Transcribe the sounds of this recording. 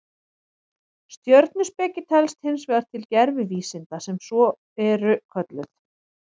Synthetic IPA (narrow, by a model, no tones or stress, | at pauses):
st̪jœɾt̪nʏspɛːcɪt̪ʰɛlst̪hɪns̬vɛːðaɾ̥t̪ʰɪlcɛɾvɪviːsɪnt̪asɛmsɔ | ɛɾʏkʰœt̪lʏθ